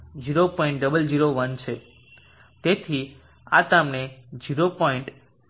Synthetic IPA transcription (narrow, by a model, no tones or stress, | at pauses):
d͡ʒiɾopɔĩɳʈ̚ɖəbəld͡ʒiɾoʋənt͡ʃʰe | t̪et̪ʰi | a̰t̪amned͡ʒiɾopɔĩɳʈ